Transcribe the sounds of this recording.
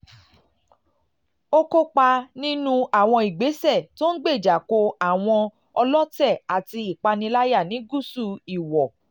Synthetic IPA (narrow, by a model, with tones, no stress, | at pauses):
o˦ko˦k͡pa˧nĩ˦nũ˦a˨w̃ɔ̃˧i˨ɡ͡be˨˦sɛ˦˨to˦n̩˦ɡ͡be˦˨d͡ʒa˨ko˧a˦˨w̃ɔ̃˧ | ɔ˧lɔ˦tɛ˦˨a˨ti˧i˨k͡pa˧nĩ˧la˦ja˦˨nĩ˨˦ɡu˦˨su˦˧˨i˨wɔ˨